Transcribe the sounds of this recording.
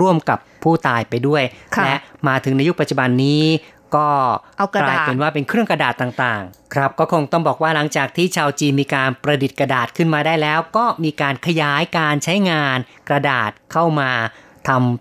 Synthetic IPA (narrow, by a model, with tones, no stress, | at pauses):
ɾu˥˩əmka˨˩pʰːuː˥˩t̪aː˨˩jpa˧jdu˥˩əjʰlɛ˦˥ʔmaː˧t̪ʰɯ˨˩˦ŋna˧ju˦˥k̚pa˨˩t̪̚t͡ɕu˨˩ba˧nːiː˦˥ | kɔː˥˩a˧laː˧jpe˧nwaː˥˩pe˧nkʰɾɯ˥˩əŋkɾa˧daː˨˩t̪ːaː˨˩ŋt̪aː˨˩ŋkʰɾa˦˥p̚kɔː˥˩kʰo˧ŋt̪ɔ˥˩ŋbɔː˨˩k̚waː˥˩la˩˦ŋt͡ɕaː˨˩k̚t̪ʰiː˥˩t͡ɕʰaː˧wt͡ɕiː˧nmiː˧kaː˧npɾa˧di˨˩t̪̚kɾa˧daː˨˩t̪̚kʰɯ˥˩nmaː˧daː˥˩jlɛː˦˥wkɔː˥˩miː˧kaː˧nkʰa˧jaː˨˦˥jkaː˧nt͡ɕʰa˦˥jŋaː˧n | kɾa˧daː˨˩t̪̚kʰa˥˩wmaː˧ | t̪ʰa˧m